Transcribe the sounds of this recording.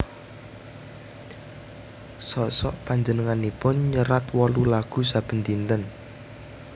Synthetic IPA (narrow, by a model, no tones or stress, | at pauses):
sɔʔsɔʔpaɲd͡ʒənəŋanipʊnɲəɾat̪wɔlulaɡ̥ṳsab̥ə̤nt̪int̪ən